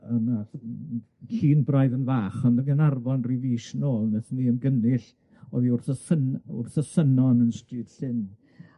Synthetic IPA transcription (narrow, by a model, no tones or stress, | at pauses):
əna | ɬiːnbrajðənvaːχɔndəɡənarvɔnriviːʃnoːlˠnəθniənɡənɪɬ | ɔðiʊrθəsənʊ̰rθəsənɔnənstrɨːd̥ɬɪn